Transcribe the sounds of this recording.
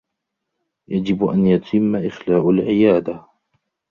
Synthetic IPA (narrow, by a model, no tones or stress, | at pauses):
jad͡ʒɪbʔa̰njat̪ʰɪmːaʔɪxlaːʔalʕɪjaːd̪a